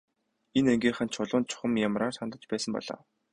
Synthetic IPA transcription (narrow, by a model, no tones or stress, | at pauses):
eneŋɡʲiːχə̆nt͡ɕʰʊɮʊːnt͡ɕʰʊ̥χə̆mjamraːrsant̪ə̆t͡ɕpæːsə̆mpɔ̰ɮa̰ː